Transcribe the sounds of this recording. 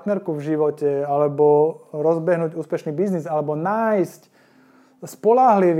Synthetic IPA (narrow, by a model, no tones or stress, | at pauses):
t̪nɛɾkuvʒiʋɔcɛalɛbɔɾɔzbɛɦnuːɟuːspɛʃniːbiznizalɛbɔnaːjsc | spɔlaɦliʋ